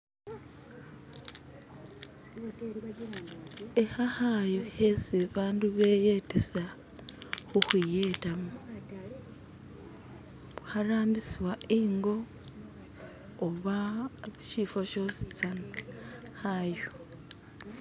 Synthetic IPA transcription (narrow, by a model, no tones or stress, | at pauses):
ehahajoheseβaːnduβejetesa | xuxijetamu | βuhaɾaːmbisiwaiːŋɡo̞ | βaʃiːfoʃo̞si̥t͡san | hajo